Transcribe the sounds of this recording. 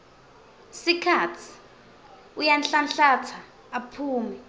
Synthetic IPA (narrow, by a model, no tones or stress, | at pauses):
sikʰaːtʰi̥ | ujanɬanɬat͡sʰaː | pʰuːmi